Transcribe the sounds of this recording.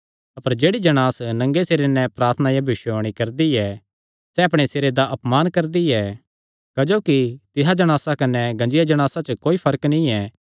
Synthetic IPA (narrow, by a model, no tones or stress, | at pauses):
ɐpəɾd͡ʒeːɽid͡ʒɐɽ̃aːsnɐ̃ŋɡeseːɾenɛpɾaːɾt̪ʰənajabʱɪʃoːɽ̃ikɐɾd̪iɛ | sɛɐpɽ̃eseːɾed̪aʔɐpmaːnkɐɾd̪iɛ | kɐd͡ʒoːkit̪ɪɦad͡ʒɐɽ̃aːsakɐnɛɡɐ̃nd͡ʒɪjad͡ʒɐɽ̃aːsat͡ʃəkoːipʰɐɾknĩɛ